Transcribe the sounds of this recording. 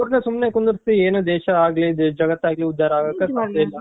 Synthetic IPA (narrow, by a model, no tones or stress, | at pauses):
ɾnesumneːkund̪uɾt̪ːieːnud̪ɛːʃɐaːɡliːd̪d͡ʒɐɡɐt̪ːaːɡliud̪ːaːɾaːɡɐkːɐsaɐilːɐ